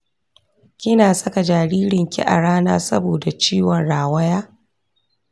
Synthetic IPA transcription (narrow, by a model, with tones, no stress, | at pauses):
kʲɪ˦naː˨sɐ˦ka˨d͡ʒaː˨ɽiː˦ɾɪ˨ŋkʲḭ˦ʔa̰˨ɽaː˦na̰ː˦sɐ˦boː˨da˨t͡ʃiː˦wɔ˨nɽaː˨wɐ˦jaː˦